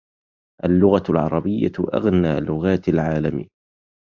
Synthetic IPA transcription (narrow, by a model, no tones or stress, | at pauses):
ʔalːʊɣalʕɑ̰ɾˤɑbɪjːa̰ʔa̰ɣnaːlʊɣaːt̪alʕaːlamḭ